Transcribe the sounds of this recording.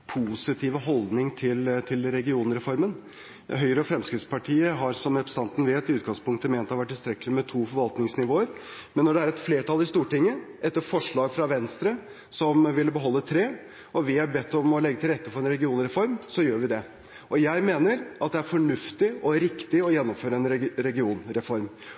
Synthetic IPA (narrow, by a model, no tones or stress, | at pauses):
pʰusɪt̪ʰiːʋəɦɔld̪nɪŋt̪ʰɪlt̪ʰɪlɾɛɡɪuːnəɾɛfɔɾmən | ɦœʏɾəɔfɾɛmskɾɪt̪spɑʈʰiːəɦɑɾsɔmɛpɾst̪ɑnt̪n̩ʋeːt̪ɪʉːɡɑŋspʊŋkt̪əmeːnt̪ʰɑʋæʈːɪlst̪ɾɛkːəlɪmɛt̪ʰuːfɔɾʋɑlt̪nɪŋsnɪʋoːəɾmɛnːɔɖɛæɾɛt̪fleːʈʰɑlɪst̪uːʈɪŋːəʔɛt̪ːəɾfɔʂɭɑːɡfɾɑʋɛnst̪ɾə | sɔmʋɪlːəbəɦɔlːət̪ʰɾeː | ɔʋɪhɑɾbɛt̪ːɔmɔlɛɡːət̪ʰɪlɾɛt̪ːəfɔɾɛnɾɛɡɪuːnɾɛfɔɾmsɔjøːɾʋɪd̪ɛ | ʔɔjæɪmeːnəɾʔɑt̪̚d̪ɛæɾfɔɳʉft̪ɪɔɾɪkt̪ɪɔjɛnːɔmføːɾəɛnɾɛɡɪuːnɾɛfɔɾm